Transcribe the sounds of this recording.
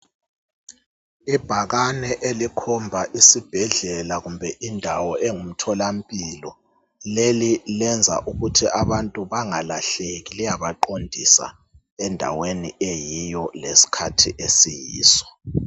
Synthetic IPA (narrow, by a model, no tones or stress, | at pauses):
ib̥ʱaɣanɛʔelikʰɔmbʱaʔisib̥ʱɛɮɛlaɣumbʱɛʔindʱawɔʔeŋum̩tʰɔlam̩pʼilɔ | lelilɛnd͡zʱa̰ʔuɣutʰiʔaβantʼuβaŋalaɬeɣilijaβaǃondʱisa̰ | ɛndʱa̰wenḭʔejijɔlesi̥kʰatʰḭʔesijḭːsɔ̥